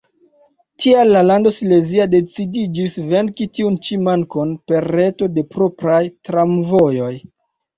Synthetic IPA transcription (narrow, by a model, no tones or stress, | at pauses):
tʰialːalando̞sle̞ziade̞t͡sidid͡ʒisve̞nkitiunt͡ʃimankonpe̞ɾːe̞to̞de̞pɾo̞pɾajtɾamvo̞jo̞j